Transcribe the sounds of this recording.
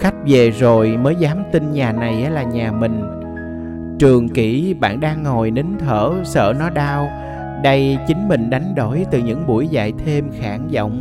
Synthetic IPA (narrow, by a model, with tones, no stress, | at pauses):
xa˦˥jk̟̚ve˨˩zo˨˩jməː˨˦jzaː˨˦mt̪i˧nɲaː˨˩na˨˩jʔa˨˦laː˨˩ɲaː˨˩mï˨˩ŋ̟ | t͡ɕɨ˨˩əŋki˧˩ɓa̰ː˧˨nɗaː˧ŋːo˨˩jni˨˦ŋt̪ʰəː˧˩sə̰ː˧˩nɔ˨˦ɗaː˧w | ɗə˧jt͡ɕï˨˦ŋ̟mï˨˩ŋ̟ɗa˨˦jŋ̟ɗo˧˩jt̪ɨ˨˩ɲɨ̰˧˥ŋɓu˧˩əjza̰ː˧˨jt̪ʰe˧mxaː˧˩nzɔ̰˧˨wŋ͡m